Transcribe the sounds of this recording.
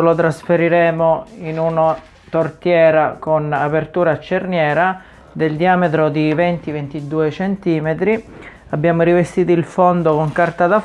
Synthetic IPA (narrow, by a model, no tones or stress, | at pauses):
lot̪ɾasfeɾiɾɛːmoinuna | t̪ort̪jɛːɾakonapert̪uːɾat͡ʃːernjɛːɾa | d̪eld̪iaːmet̪ɾod̪ivɛnt̪ivent̪id̪uːet͡ʃɛnt̪iːmet̪ɾi | abːjaːmoɾivest̪iːt̪oilfond̪okoŋkart̪ad̪a